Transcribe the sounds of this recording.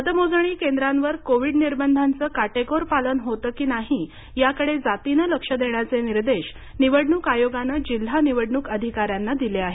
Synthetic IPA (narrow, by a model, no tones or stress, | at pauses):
ət̪əmod͡zɳ̃iːkend̪ɾãnʋəɾkoʋiːɖniɾbənd̪ʱant͡səːkaʈekoɾpalənɦot̪əːkiːnaɦi | jakəɽed͡zat̪inələkʂəd̪ʱeɳjat͡seniɾd̪eɕ | niʋəɽɳuːkajoɡanəd͡ʑil̤ːaniʋəɽɳuːkəd̪ʱikaɾjanːad̪ileaɦe